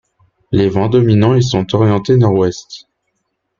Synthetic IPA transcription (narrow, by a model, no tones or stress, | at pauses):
levɑ̃d̪ɔminɑ̃elsɔ̃t̪ɔʁjɑ̃t̪enɔʁwɛst̪